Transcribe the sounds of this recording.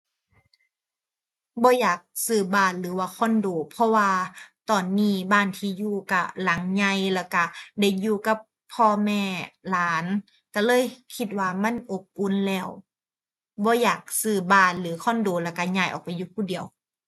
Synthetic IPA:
bɔː˧˦jaː˨˩k̚sɯː˧˩baː˧˩nlɯː˨˦waː˧kʰɔ˧˥˨ndoː˨˦pʰɔ˧waː˧t̪ɔː˨˩nːiː˧˩˨baː˧˨nt̪ʰiː˧juː˧˩ka˧˩la˨˦ŋɲa˧˩jlɛ˧˩wka˧˩da˧˩˨jjuː˧ka˧˦pʰːɔː˧mɛː˧˩laː˨˦n | ka˧˩lɤː˧˥˨jkʰi˧t̪̚waː˧˩ma˧˥˨nʔo˧˦p̚ʔu˧˥˨nlɛː˧˩w | bɔː˧˦jaː˨˩k̚sɯː˧˩baː˧˩nlɯː˨˦kʰɔː˧˥˨ndoː˨˦lɛ˧˩wka˧˩ɲaː˧˩˨jʔɔ̰ː˨˩k̚pa˨juː˧pʰuː˧˥˨di˨əw

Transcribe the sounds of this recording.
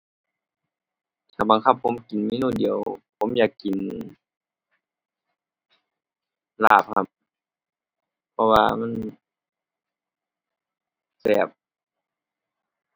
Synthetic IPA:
t̪ʰaː˧˩ba˨ŋkʰa˧˥˩pʰːo˧˦mki˨nmiː˧˥˨nuː˧˩di˨əwpʰo˧˦mjaː˨˩kːi˨n | laː˧˩p̚hʰa˧˩p̚ | pʰɔ˧waː˧ma˧˥˨n | sɛː˨˩p̚

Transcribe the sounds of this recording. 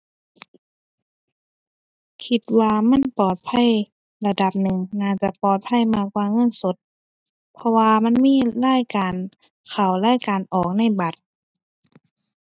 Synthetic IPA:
kʰi˧t̪̚waː˧ma˧˥˨npɔː˨˩t̪̚pʰa˧˥˨j | la˧da˧˦p̚nɯ˨˩ŋnaː˧˩t͡ɕa˧pɔː˨˩t̪̚pʰa˧˥˨jmaː˧˩kwaː˧ŋɤ˧˥˨nso˧˦t̪̚ | pʰɔ˧waː˧ma˧˥˨nmiː˧˥˨laː˧˥˨jkaː˨n | kʰa˨˩wlaː˧˥˨jkaː˨nʔɔː˨˩k̚na˧˥˨jba˧˦t̪̚

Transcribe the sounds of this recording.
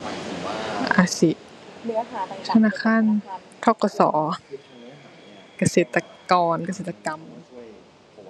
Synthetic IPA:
ʔa˧˩si˧˦ | t̪ʰa˧naː˧˥˨xʰaː˧˥˨n | t̪ʰɔ˧˥˨kɔ˧sɔ̰ː˩˦ | ka˧seː˨˩˦t̪ːa˧kɔː˧nka˧seː˨˩t̪ːa˧ka˧m

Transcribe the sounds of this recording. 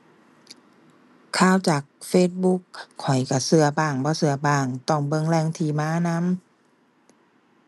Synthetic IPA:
kʰaː˧˩˨wt͡ɕaː˨˩k̚feː˧˩t̪̚bu˧˥kʰːɔ˨˩jka˧˩sɯ˧ɐpaː˧˩ŋbɔː˧˦sɯ˧ɐpaː˧˩ŋt̪ɔ˧˩ŋbɤ˧˨ŋlɛː˧˩˨ŋt̪ʰiː˧˩maː˧˥˨na˧˥˨m

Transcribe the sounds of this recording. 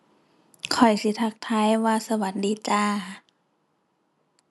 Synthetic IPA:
kʰɔ˨˩jsi˧˦t̪ʰa˧˩k̚t̪ʰaː˧˥˨jwaː˧sa˧wa˨˦ndiː˨˦t͡ɕaː˧˩

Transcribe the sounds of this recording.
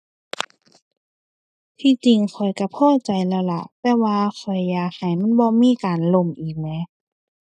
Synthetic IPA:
t̪ʰiː˧˨t͡ɕi˨ŋkʰɔ˨˩jka˧˩pʰɔː˧˥˩t͡ɕa˨˩jlɛː˧˩wla̰˧˩ʔt̪ɛː˧waː˧xʰɔ˨˩jːaː˨˧˩k̚ha˨˩jma˧˥˨nbɔː˧miː˧˥˨kaː˨nlo˧˨mʔiː˨˩k̚nɛː˧˦

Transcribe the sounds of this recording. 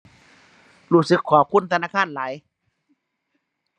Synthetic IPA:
ɾuː˧˩sɯ˨˦˥kʰːɔː˩˦p̚kʰu˧˥˨nt̪ʰa˧naː˧˥˩kʰaː˧˥˨nlaː˩˦j

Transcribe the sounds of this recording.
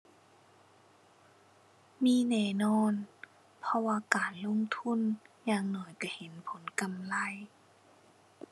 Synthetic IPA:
miː˧˥˨nɛː˧˩nɔː˧˥˨n | pʰɔ˧waː˧kaː˨˩nlo˧˥˨ŋt̪ʰu˧˥˨njaː˧˩ŋnɔː˨˦jka˧˩he˨˦npʰo˨˦nka˨mla˧˥˨j

